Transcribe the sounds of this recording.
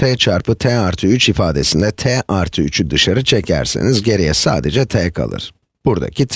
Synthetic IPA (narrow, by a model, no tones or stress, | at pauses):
t̪ʰɛːt͡ʃʰaɾpʰɯt̪ʰɛːaɾt̪ʰɯyt͡ʃifaːd̪e̞sind̪ɛt̪ʰɛːʔaɾt̪ʰɯyt͡ʃʰyd̪ɯʃaɾɯt͡ʃʰecʰæ̰ɾse̞̰nizɟe̞ɾijɛsa̰ːd̪ed͡ʒɛt̪ʰɛːkʰa̰lˠɯ̰ɾ̥ | b̥uɾd̪a̰cʰit̪ʰ